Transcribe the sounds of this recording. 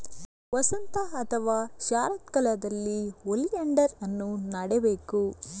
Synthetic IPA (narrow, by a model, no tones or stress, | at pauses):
ʋɐsɐnt̪ɐɐt̪ʰɐʋaːʃaːɾɐt̪̚kɐlɐd̪ɐlːiolijɐɳɖɐɾɐnːunɐɽɛbeːku